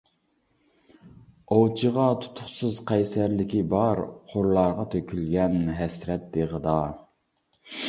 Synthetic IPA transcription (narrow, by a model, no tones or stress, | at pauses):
owt͡ʃʰəʁɑt̪ʰu̥t̪ʰʊχsɨzqʰɛjsæɾlɪkʲibɑɾqʰoɾlˠɑɾʁɑt̪ʰøkʲʰylɡʲɛnɦɛsɾɛt̪̚d̪eʁəd̪ɑ